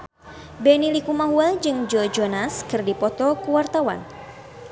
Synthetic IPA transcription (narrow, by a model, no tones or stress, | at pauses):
bɛnilikumaɦuɛld͡ʒɨŋd͡ʒɔd͡ʒɔnaskɨrdipɔt̪ɔkuwart̪awa̰n